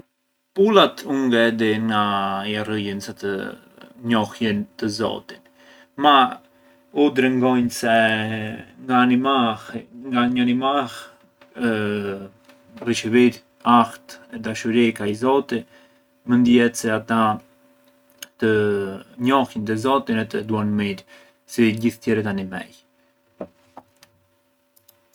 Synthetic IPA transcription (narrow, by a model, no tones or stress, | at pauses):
pulat̪uŋɡɛd̪iɡajarəjənsat̪ə | ɲɔhjint̪əzɔ̰t̪i̥n | ma | ud̪ɾɛŋɡɔjnsɛ | ŋɡaːnimaŋɡaɲəanimah | riʃəviɾ | axt̪ɛd̪aʃuɾikajzɔt̪i | mənd̪ihɛt̪sɛat̪a | t̪əɲɔhind̪ɛzɔt̪inɛt̪əd̪uanmiɾ | siɟiθt̪jɛɾɛt̪animɛ̰j